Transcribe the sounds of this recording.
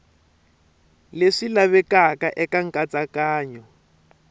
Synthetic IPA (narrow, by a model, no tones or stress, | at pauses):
leʂilaβɛkakaʔɛkaŋ̩kʼat͡sakaːɲɔ